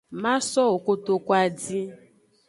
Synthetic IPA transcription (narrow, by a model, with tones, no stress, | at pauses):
mã˦sɔ˦o˨ko˦to˨kʷa˦di˦